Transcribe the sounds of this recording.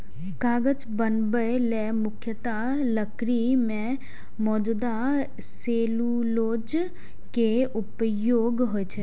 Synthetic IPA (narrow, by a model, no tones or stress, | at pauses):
kaːɡət͡ʃbənbəelɛmʊkʰjət̪a | ləkɾimẽ | mɔːd͡ʒud̪a | seːlu | loːd͡ʒ | keʊpjoːɡɦoet͡ʃʰe